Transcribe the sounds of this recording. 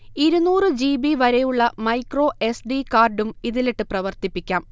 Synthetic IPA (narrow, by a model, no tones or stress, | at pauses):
iɾunuːrɨd͡ʑiːbiʋɐɾejuɭːɐmɐjkro̞ːe̞sɖikaːrɖumiðileʈːɨprɐʋɐrt̪ipːikʲːaːm